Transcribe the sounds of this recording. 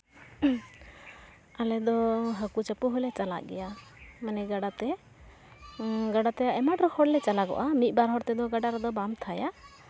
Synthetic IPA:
alɛd̪ɔɦakut͡ʃapuɦɔlɛt͡ʃala̰ʔɡɛ̰jamanɛɡaɖat̪ɛ | ɡaɖat̪ɛaɛmaʈɾɔhɔɽlɛt͡ʃalaɡɔ̰ʔamit̪̚ˀbaɾɦɔɾt̪ɛd̪ɔɡaɖaɾɛd̪ɔbamt̪ʰaja

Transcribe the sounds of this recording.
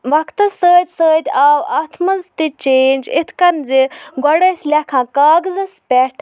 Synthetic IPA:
ʋɐkʰt̪ɨsəːt̪ʲsəːd̪ʲaːwat̪ʰmɐzt̪it͡ʃeːnd͡ʒḭt̪ʰkɐnziɡɔɽəsʲlʲɐkʰãːkaːɡzɐspʲɛʈʰ

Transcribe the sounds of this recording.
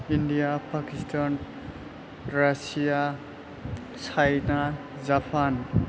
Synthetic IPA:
inɖijapakistʰan | ɾasija | t͡sʰajna | d͡zapʰan

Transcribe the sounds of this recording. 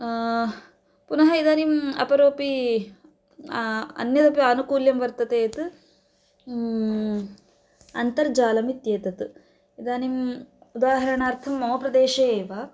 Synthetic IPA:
punɐɦɐid̪aːnimɐ̰pɐɾoːpi | ɐ̰njɐd̪ɐpjɐɐnukuːljɐmʋɐɾt̪ɐt̪eːt̪ɨ | ɐnt̪ɐɾd͡ʒaːlɐmit̪jeːt̪ɐt̪ɨ | id̪aːnimud̪aːɦɐɾɐɳaːɾt̪ʰɐmːɐɦoːpɾɐd̪eːʃɐeːʋaː

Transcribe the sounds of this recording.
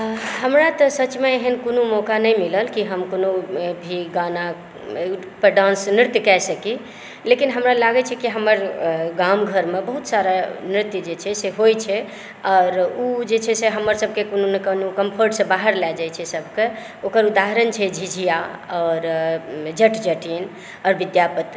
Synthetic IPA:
ɦəmɾat̪əsət͡ʃmeeɦənkonomɔkanəjmiləlkiɦəmkonobʱiɡana | pəɖãnsnɾɪt̪jkɛsəki | lekinɦəmɾalaɡɛt͡ʃʰɛkiɦəməɾɡamɡʱəɾmebəɦut̪saɾanɾit̪jd͡ʒet͡ʃʰɛseɦojt͡ʃʰɛ | ɔːɾud͡ʒet͡ʃʰɛseɦəmːəɾsəb̚ʱkekononekənokəmpʰəɾʈsẽbaɦəɾlɛd͡ʒajt͡ʃʰɛsəbʱke | okəɾud̪aɦəɾənt͡ʃʰɛd͡ʒʱid͡ʒʱijaɔːɾd͡ʒəʈd͡ʒəʈin | ɔːɾbid̪japət̪

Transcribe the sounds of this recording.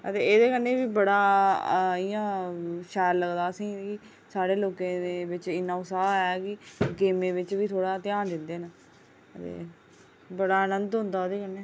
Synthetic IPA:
ət̪eːeːd̪eːkənːeːʋiːbəɽaː | ɪjãːʃɛːɾləɡd̪aːəsĩːɪ | saːɽeːloːkẽːd̪eːʋɪt͡ʃɪnãːʊsaːɛːkɪɡeːmẽːʋɪt͡ʃʋiːt̪ʰoːɽaːt̪ɪjaːnd̪ɪnd̪eːna | ət̪ḛː | bəɽaːənənd̪ɦʊ̃nd̪aːd̪eːkənːeː

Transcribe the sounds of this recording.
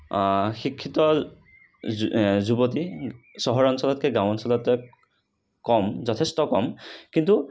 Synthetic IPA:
xikʰːitɔ | zubotisɔɦɔɹɔnsɔlɔtkɛɡãwɔnsɔlɔtɛ | kɔmzɔtʰestɔkɔmkintu

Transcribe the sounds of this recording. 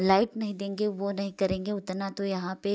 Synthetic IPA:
laːɪʈnɐɦĩd̪ẽːŋɡeʋonɐɦĩkɐɾẽːŋɡeʊt̪nat̪ojɐɦãpe

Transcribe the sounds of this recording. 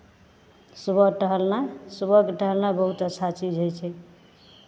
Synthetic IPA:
subəɡʈəɦəlnasubəkeʈəɦəlnabəɦut̪ət͡ʃʰat͡ʃid͡ʒɦojt͡ʃʰɛ

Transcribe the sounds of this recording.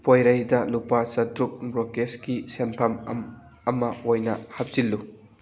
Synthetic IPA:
pʰojɾɐjdɐlupasɐtɾuk̚bɾokeskisenpʰɐmm | ɐmɐojnɐhɐp̚silːu

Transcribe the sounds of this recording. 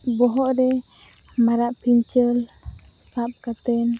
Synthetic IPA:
bɔɦɔʔɾɛ | maɾaʔpʰiɲt͡ʃəl | sap̚kat̪ɛn

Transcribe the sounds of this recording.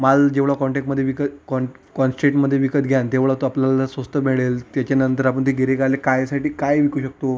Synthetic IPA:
mald͡ʑeʋɭakɔɳʈek̚ʈməd̪ʱjeʋikəkɔ | kɔnsʈɾeʈməd̪ʱːjeʋikət̪ɡʱjant̪eʋɭat̪oapljalasʋəst̪əmeɭelt̪jat͡ɕanənt̪əɾapəɳt̪iɡʱeɾekalekajsaʈiːkajʋikuːɕək̚t̪o

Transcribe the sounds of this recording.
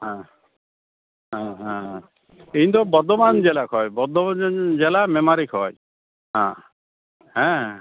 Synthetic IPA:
ɦã | ɦãɦãɦ | eɦnt̪ɔbɔɾd̪ɔmand͡ʒelakʰɔjbɔɾd̪ʱɔd͡ʒelamemaɾikʰɔj | ɦã̰ | ɦɛ̃

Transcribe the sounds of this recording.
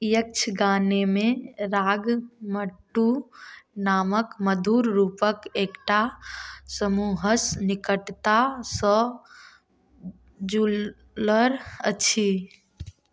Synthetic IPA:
jək̚t͡ʃʰɡaːnemẽɾaːɡməʈːu | naːməkməd̪ʱuːɾɾuːpəkeːkʈasəmuːɦəsnɪkəʈt̪asɔː | d͡ʒuː | ləɾəːt͡ʃʰi

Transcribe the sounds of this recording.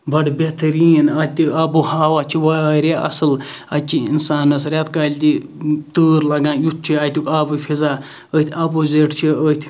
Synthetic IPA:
bɐɽbʲet̪ɐɾiːnɐt̪iɐbuhaːwaːt͡ʃʰiʋaɾʲeʔɐ̰sɨl | ɐt͡ʃʰiḭnsaːnɐsɾʲat̪kaːlʲt̪it̪ɨːɾlɐɡãːnjut̪̚ʰt͡ʃʰiaːt̪ʲjukabɨpʰizaː | ət̪ʰʲɐboːzeʈt͡ʃʰiət̪ʰʲ

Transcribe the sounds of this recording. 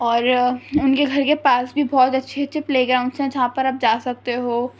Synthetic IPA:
ɔːɾʊnkeɡʱɐɾkepaːsbʱibɔːt̪ɐtːʃʰetːʃʰepleːɡɾãːʊ̃ɳɖsɦɛ̃d͡ʒɐɦãpɐɾɐp̚d͡ʒaːsɐk̚t̪eɦoː

